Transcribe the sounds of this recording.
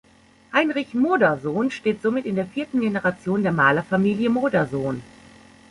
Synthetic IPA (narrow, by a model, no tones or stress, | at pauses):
haɪnʁɪçmoːdɐzoːnʃteːtz̥omɪtɪndeːɐfiːɐtn̩ɡenəʁat͡sjoːndeːɐmaːlɐfamiːljəmoːdɐzoːn